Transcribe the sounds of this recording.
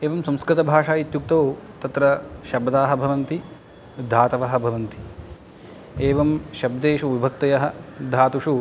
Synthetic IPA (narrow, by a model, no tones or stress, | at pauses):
eːʋɐmsɐ̃mskɾit̪ɐbʱaːʂaːjit̪juk̚t̪oːt̪ɐt̪ɾɐʃɐbd̪aːɦɐ̆bʱɐʋɐnt̪i | d̪ʱaːt̪ɐʋɐɦɐ̆bʱɐʋɐnt̪i̥ | eːʋɐmʃɐbd̪eːʃuʋibʱɐk̚t̪ɐjɐɦɐ̆d̪ʱaːt̪uʂu